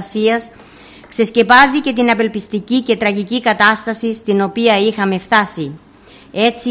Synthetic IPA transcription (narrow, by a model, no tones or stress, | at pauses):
siɐs | kse̞sce̞pɐzice̞t̪inɐpe̞lpist̪icice̞t̪ɾɐʝicikɐt̪ɐst̪ɐsist̪ino̞piɐixɐme̞ft̪ɐsi | e̞t͡si